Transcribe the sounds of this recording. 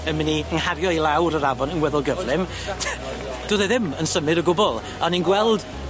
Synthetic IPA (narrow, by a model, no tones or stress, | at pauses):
əmɪniənhaɾjɔilˠawɾəɾavɔnənwɛðʊlˠɡəvlˠɪm | d̥oːðɛðɪmənsəmɨɾəɡʊbɔlˠ | ɔninɡwɛlˠd̥